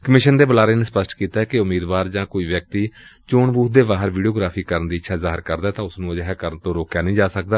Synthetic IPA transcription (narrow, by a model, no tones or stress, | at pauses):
kəmɪʃənd̪eːbəlaːɾeːneːspəsʈkiːt̪aːɛːkɪʊmiːd̪ʋaːɾd͡ʒãːkoːiːʋjək̚t̪iːt͡ʃoːɳbuːt̪̚d̪eːbaːɦəɾʋiːɖioːɡɾaːpʰiːkəɾənd̪iːɪtːʃʰaːzaːɦɪɾkəɾd̪aːt̪ãːʊsnũːəd͡ʒɦɛːkəɾənt̪õːɾoːkjaːnĩːd͡ʒaːsək̚d̪aː